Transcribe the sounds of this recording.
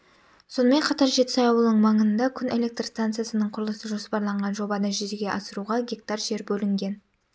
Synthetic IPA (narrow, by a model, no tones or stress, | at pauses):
so̞nəme̞ɴqʰɑt̪ɑɾʒe̞t̪ɪ̥sɑjɑwəlˠnəɴmɑɴənd̪ɑkʲʰʏne̞le̞k̚t̪rst̪ant̪sɨjasənəɴqʰʊɾlˠəsəʒo̞spɑɾlˠɑɴʁɑnʒo̞bɑd̪əʒʏzeɡʲe̞ʔɑsəɾuʁɑɡʲek̚t̪ɑrʒe̞ɾbɵlɪŋɡʲe̞n